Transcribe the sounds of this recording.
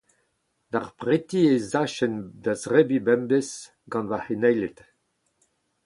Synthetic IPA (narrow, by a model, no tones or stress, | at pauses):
daʁpʁet̪iezaʃɛnd̪azʁɛbibɛmbes | ɡɑ̃nvahenɛjlet̪